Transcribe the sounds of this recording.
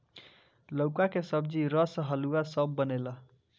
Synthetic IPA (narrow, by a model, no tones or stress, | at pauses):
ləʊkakesəbd͡ʒiɾʌsəɦəluasəbːənelə